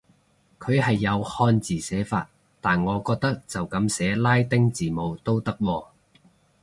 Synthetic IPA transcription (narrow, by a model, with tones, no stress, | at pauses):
kʰɵ˨˧ɥhɐ˨jːɐ˨˧whɔː˧nt͡siː˨sɛː˨˥fa̰ː˧t̚ | t̪aː˨nŋɔː˨˧kɔː˧k̚t̪ɐ˥k̚t͡sɐ˨wkɐ˨˧˥msɛː˨˥laː˥jt̪ɪ˥ŋt͡siː˨mo˨˧wt̪o˥wt̪ɐ˥k̚wɔː˧